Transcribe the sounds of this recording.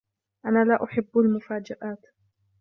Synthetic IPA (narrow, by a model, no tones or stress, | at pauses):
ʔanaːlaːʔʊħɪbːalmʊfaːd͡ʒaʔaːt̪